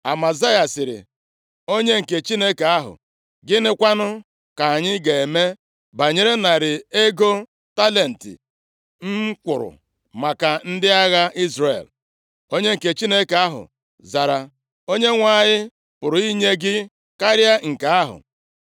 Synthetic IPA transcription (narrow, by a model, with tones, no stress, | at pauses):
a˨ma˨za˦ja˨sɪ˨ɾɪ̰˨ | o˦ɲe˦ŋ̩˨ke˨t͡ʃi˦ne˦ke˨a˦ɦʊ̰˨ | ɡɪ˦nɪ˦kʷa˦nʊ˦ | ka˨a˨ɲɪ˦ɡe˨e˨me˦ | ba˨ɲe˦ɾe˦na˨ɾɪ˨e˦ɡo˦ | ta˦le˨n̩˨tɪ̰˨ | m̩˦kʷʊ˨ɾʊ̰˨ | ma˨ka˨n̩˦dɪ˦a˦ɣa˦ʔi˦zreḛ˨l | o˦ɲe˦ŋ̩˨ke˨t͡ʃi˦ne˦ke˨a˦ɦʊ̰˨ | za˨ɾa˨ | o˦ɲe˦ŋʷa˨ɲɪ˦ | pʊ˨ɾʊ˨i˦ɲe˦ɡɪ˦ | ka˦ɾja˦ŋ̩˨ka˨a˦ɦʊ̰˨